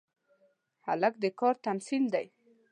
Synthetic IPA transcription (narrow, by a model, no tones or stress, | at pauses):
ha̰lak̚d̪əkɑɾt̪amsild̪aj